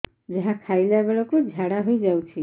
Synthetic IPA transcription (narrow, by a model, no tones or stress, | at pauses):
d͡ʒaɦãkʰajlebeɭokod͡ʒʱaɽaɦojd͡ʒawt͡ʃʰi